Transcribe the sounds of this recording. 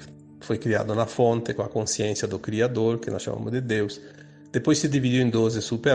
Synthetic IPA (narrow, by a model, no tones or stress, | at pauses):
fojkɾia̰d̪ʊnafõnt̪ɪkõakõnsjɛ̃nsjad̪ʊkɾiad̪oɾkenɔ̰sʃa̰ma̰mʊ̰d̪ed̪ews | d̪̥epojsːɪd̪ivid̪uwẽnd̪ozesupe